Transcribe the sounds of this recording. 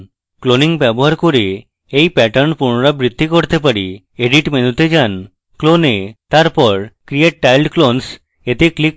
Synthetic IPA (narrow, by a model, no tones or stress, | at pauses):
kloniŋbɛboɦaɾkoɾe | ejpɛʈənpuɾnɔɾabɾid̪ʱːikoɾt̪ep̬aɾi | eɖiʈmenut̪ed͡ʒan | klonet̪aɾpɔɾkɾieʈ̚ːajlɖklons | et̪eklik̚